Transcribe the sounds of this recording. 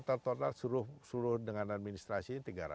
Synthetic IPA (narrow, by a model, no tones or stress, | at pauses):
t̪alt̪ɔt̪alsuɾʊhsuɾʊhdəŋanad̪̚minist̪ɾasit̪əɡaɾa̰